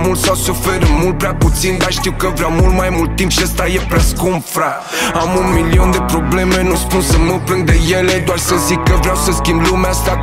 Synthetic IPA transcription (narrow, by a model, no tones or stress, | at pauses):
mult̪sawsufeɾəmult̪̚pɾeaput̪sind̪arʃt̪iwkəvɾeawmult̪majmult̪ːimpʃiəst̪ajepɾaskumfɾa | amunmilio̞nd̪e̞pɾo̞ble̞me̞nuspunsəməpɾɨnd̪eje̞led̪oarsəzikːəvɾeawsəskʲimblumeast̪a